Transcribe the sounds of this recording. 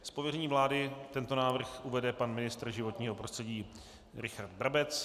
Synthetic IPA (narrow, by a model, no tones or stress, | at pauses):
spovjɛɾɛɲiːvlaːdɪt̪ɛnt̪o̞naːvr̩xʔuvɛdɛpanmɪnɪst̪rʒɪvo̞t̪ɲiːɦopɾost̪r̥ɛɟiː | ɾɪxaɾd̪̚bɾabɛt͡s